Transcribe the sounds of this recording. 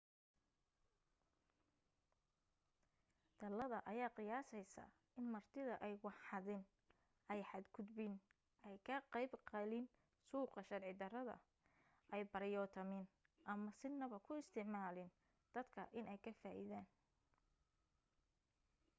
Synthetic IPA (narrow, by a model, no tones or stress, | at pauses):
d̪̥ɐlɐðɐʔɐjaːqɪjaːsɛjsɐ̰ | ɪnmɐrt̪ʰɪðɐʔɛjwɑħɑðɪn | ɛjħɑd̪kʰʊd̪bin | ʔɛjkʰɐqɑjbqɑlɪn | suːqɐʃɐrʕɪd̪ɐɾɐðɐ̰ | ʔɛjbɐɾjɔːt̪ʰɐmɪn | ʔɐmɐsɪnɐβɐkʰʊɪst̪ʰɪʕmaːlɪn | d̪̥ɐd̪kʰɐʔɪnʔɛjkʰɐfaːʔḭðaːn